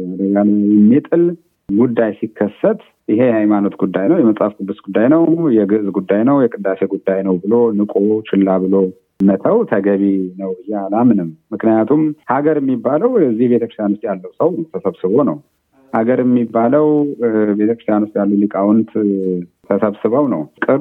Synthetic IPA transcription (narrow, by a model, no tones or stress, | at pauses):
məɾəd͡ʒanjɛmːit̪ʼɨl | ɡud̪ːajsikʰːəsːət̪ | ʔɪɦe̞jɛhajmano̞t̪ɡud̪ːajnəwjɛməsʼafkʼɨb̪ːɨsɡud̪ːajnəwjɛɡɨʔzɡud̪ːajnəwjɛkʼɨd̪ːase̞ɡud̪ːajnəwbɨlo̞nɨkʼo̞t͡ʃɪlːaβɨlo̞ | mət̪ʰəwt̪ʰəɡəβinəwbɨjːealamɨnɨmːɨknɨjat̪ʰumhaɡəɾjɛmːibːaləwjɛzːihbet̪ʰəkɾɨst̪ʰjanwust̪jalːəwsəwnəwt̪ʰəsəβsɨβo̞nəw | haɡəɾjɛmːibːaləwbe̞t̪ʰəkɾɨst̪ʰjanwust̪jalːuwlikʼawʊnt̪ | t̪ʰəsəβsɨβəwnəwkʼɨɾ